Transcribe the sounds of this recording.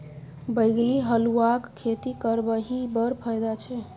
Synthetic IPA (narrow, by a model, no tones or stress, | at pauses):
bəɪɡliɦəluakkʰːet̪ikəɾbəɦibəɾpʰəjd̪at͡ʃʰɛ